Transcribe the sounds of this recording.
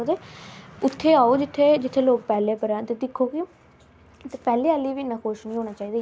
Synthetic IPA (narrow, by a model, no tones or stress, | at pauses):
t̪eːʊt̪ʰːeːaːoːd͡ʒɪt̪ʰːeːd͡ʒɪt̪ʰːeːloːk̚pɛːleːpəɾãːt̪eːd̪ɪkʰːoːkɪ | t̪epɛːleːəliːʋiːnaːkʰoːʃnĩːɦoːnaːt͡ʃaːiːd̪aː